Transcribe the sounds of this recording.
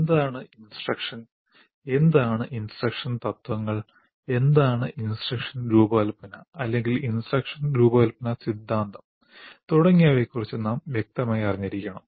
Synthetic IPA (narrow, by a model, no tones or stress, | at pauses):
end̪aːɳɨinsʈrɐkʂɐn | e̞nd̪aːɳɨʔinsʈrɐkʂɐnt̪ɐt̪ʋɐŋːɐɭ | e̞nd̪aːɳɨʔinsʈrɐkʂɐnɡɾuːbɐlpɐnɐɐlːe̞ŋɡilinsrɐkʂɐnɡɾuːbɐɐlpɐnɐsid̪ʱːaːnd̪ɐm | t̪uɽɐŋːijaːʋekːurit͡ɕːɨnaːmʋjek̚t̪ɐmaːjiɐriɲːɐɾikʲːɐɳɐm